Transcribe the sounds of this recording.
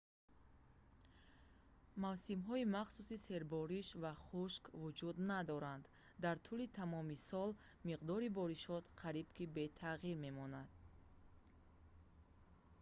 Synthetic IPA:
mavsimɦɔimaχsusise̞ɾbɔɾiʃvaχuʃkvud͡ʒud̪nad̪ɔɾand̪ː | aɾt̪ʰulit̪ʰamɔmisɔl | miqd̪ɔɾibɔɾiʃɔt̪qʰaɾibkʰibe̞t̪ʰaʁiɾme̞mɔnad̪̥̚

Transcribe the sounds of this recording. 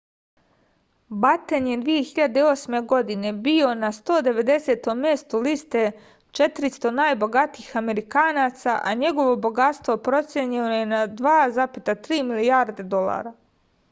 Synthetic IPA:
bat̪enje̞d̪ʋije̞xiʎad̪e̞io̞ːsme̞ɡo̞d̪ine̞bio̞nast̪o̞ːd̪e̞ʋe̞d̪e̞se̞t̪o̞mːje̞st̪uliːst̪e̞ | t͡ʃe̞t̪ɾist̪o̞naːjbo̞ɡat̪iːxame̞ɾikaːnaːt̪saʔaɲe̞ɡo̞ʋo̞bo̞ɡat̪st̪ʋo̞pɾo̞t̪sʲjeɲilojenad̪ʋaːzapit̪at̪ɾiːmilijaɾd̪e̞d̪o̞lˠa̰ɾa

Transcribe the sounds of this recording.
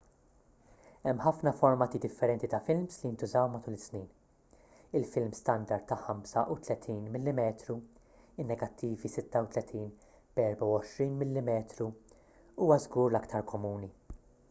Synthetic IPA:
ɛmːħɐfnɐfɔɾmɐːt̪id̪ɪfːɛɾɛnt̪it̪ɐfɪlmslijɪnt̪ʊzɐwmɐt̪uːlɪsniːn | ɪlfɪlmst̪ɐnd̪ɐɾd̪ɐħɐmsɐʔut̪lɛt̪ʰiːnmɪlːɪmɛːt̪ɾu | ɪnːɛɡɐt̪ːiːvisɪt̪ːɐwt̪lɛt̪ʰiːn | b̥ɛɾbɐwɔʃɾiːnmɪlːɪmɛːt̪ɾu | uːwɐzɡuːɾlɐkt̪ʰɐɾkɔmuːni

